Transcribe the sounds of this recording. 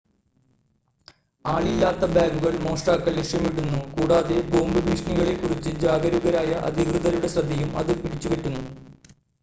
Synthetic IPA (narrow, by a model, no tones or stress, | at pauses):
aːɭilːaːt̪ːɐbjaːɡuɣɐɭmo̞ːʂʈaːkːɐlːeʂjɐmiɽunːukuːɽaːðe̞bo̞ːmbɐbʱiːʂɐɳiɣɐɭekːurit͡ɕːɨd͡ʑaːɡɐɾuɣɐɾaːjɐʔɐ̰d̪ʱiɣrɨðɐɾuɽe̞srɐd̪ʱːɐjumɐ̰ðɨpiɽit͡ɕːuʋeʈːunːu